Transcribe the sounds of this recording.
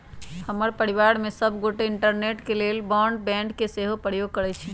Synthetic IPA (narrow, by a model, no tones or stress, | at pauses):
həməɾpəɽiʋaɾmesəbʱɡoʈeɪɳʈəɾneʈkelelbɔɳɖbɛ̃ɳʈkeseɦoɡ̚pəɾjoɡ̚kəɾɛt͡ʃʰi